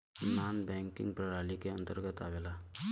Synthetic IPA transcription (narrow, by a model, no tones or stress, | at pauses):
nanbɛ̃ŋkḭŋɡpɾəɾalikeənt̪əɾɡət̪a̰ʋela